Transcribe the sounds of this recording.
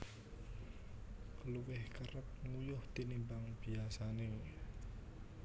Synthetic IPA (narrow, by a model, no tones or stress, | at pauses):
kəluwɪhkəɾəp̚ŋujʊht̪inimbaŋb̥iasane